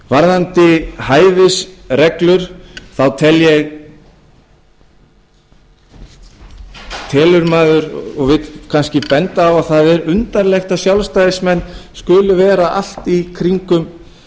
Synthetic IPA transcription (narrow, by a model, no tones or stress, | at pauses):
vaɾðant̪ɪhaːjvɪsrɛklʏɾ̥θawt̪ʰɛljɛɣ | t̪ʰɛːlʏɾmaːðʏɾɔɣvɪt̪kʰanscɪpɛnt̪aːwaðθaðɛɾʏnt̪aɾlɛxt̪asjawlst̪ajðɪsmɛnːskʏːlʏvɛːɾaʔa̰l̥t̪ikʰɾiŋkʏm